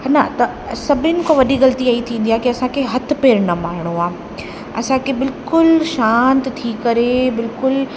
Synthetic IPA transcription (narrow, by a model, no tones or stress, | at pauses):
nɐt̪ɐ | sɐbʱɪnɪ̆koːʋɐɗiɣɐlt̪iaːit̪ʰĩːn̆d̪iaːɦkiɐsãkʰeɦɐt̪̆ʰpeːɾnɐmaːɾɪɽ̃oaː | ɐsãkʰebɪlkʊlʃaːnt̪t̪ʰikɐɾebɪlkʊl